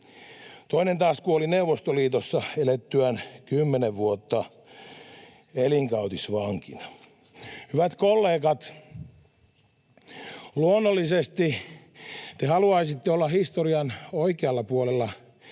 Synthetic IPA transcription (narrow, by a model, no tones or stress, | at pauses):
t̪oinent̪ɑːskuolineuʋost̪oliːt̪osːɑelet̪ːyænkymːeneʋʋuot̪ːɑ | eliŋkɑut̪isʋɑŋkinɑ̥ | hyʋæt̪kolːeːkɑt̪ | luonːolːisest̪i | t̪ehɑluɑisit̪ːeolːɑhist̪oriɑnoikeɑlːɑpuolelːɑ